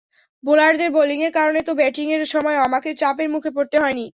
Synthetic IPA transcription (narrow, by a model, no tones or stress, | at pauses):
bolaɾd̪eɾboliŋeɾkaɾonet̪obɛʈiŋeɾʃɔmɔeoamaket͡ɕapeɾmukʰepoɾt̪eɦɔeni